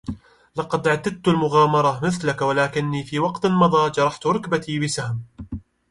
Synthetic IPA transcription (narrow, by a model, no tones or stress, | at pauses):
lɑqɑd̪ʕat̪ːad̪̚t̪ʊlmʊɣaːmɑɾˤɑmɪθlakwalaːkɪnːiːfiːwɑqt̪lmɑðˤɑːd͡ʒɑɾˤɑħt̪ʊɾˤʊkbat̪iːbɪsahm